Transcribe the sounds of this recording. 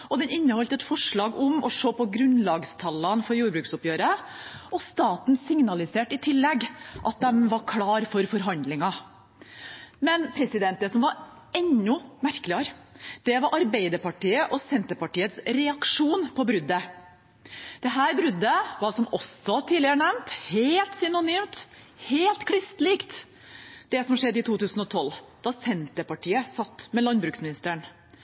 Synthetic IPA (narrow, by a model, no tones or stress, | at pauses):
ʔɔd̪ɛnɪnːəhɔlt̪ɛt̪fɔʂɭɑːɡʊmɔʂoːpɔɡɾʉnlɑːɡst̪ʰɑlːɑnfɔɾjuːɾbɾʉːksʊpjøːɾə | ɔst̪ɑːt̪n̩sɪŋnɑlɪseːʈɪt̪ʰɪlːɛɡʔɑt̪̚d̪ɛmʋɑɾkʰlɑːɾfɔɾfɔɾɦɑnd̪lɪŋɑ | mɛnpʰɾɛsɪd̪ɛnt̪̚d̪ɛsɔmʋɑɾ | ɛnːʊmæɾkəlɪɑɾd̪̥ɛʋɑɾʔɑɾbeɪd̪əɾpɑʈiːəʔɔsɛnt̪əpɑʈiːət̪sɾɛɑkʂuːnpʰɔbɾʉd̪ːə | d̪̥ɛɦæːɾbɾʉd̪ːəʋɑɾsɔmɔsɔt̪ʰiːlɪəɾəɳɛʋnt̪heːlt̪sʏnʊnyːmt̪ | heːlt̪kʰɽʏst̪liːkt̪ | d̪̥ɛsɔmʂɛd̪ːiːt̪ʰuːt̪ʉːsnɔt̪ʰɔlːd̪̥ɑsɛnt̪əpɑʈʰiːəsɑt̪ːmɛlɑnbɾʉːksmɪnɪst̪əəɳ